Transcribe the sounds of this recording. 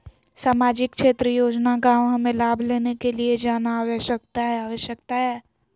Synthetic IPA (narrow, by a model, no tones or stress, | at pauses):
saːmaːd͡ʒɪkkʃeːt̪ɾəjoːd͡ʒnaɡaɦɐmẽlaːbʱleːnekelied͡ʒaːnaːʋəʃək̚t̪aɦɛaːʋəʃjəkt̪aɦɛː